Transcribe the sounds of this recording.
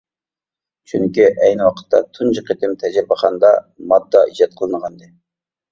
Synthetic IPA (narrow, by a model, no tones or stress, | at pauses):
t͡ʃʰyŋkʲiʔɛjnɪwɑqʰə̥t̪ːɑ̰t̪ʰund͡ʒəqʰet̪ɪmt̪ʰɛd͡ʒɪɾbəχʰɑnd̪ɑmɑd̪ːɑʔid͡ʒɑt̪̚qʰəlˠɨnəʁɑnd̪ɨ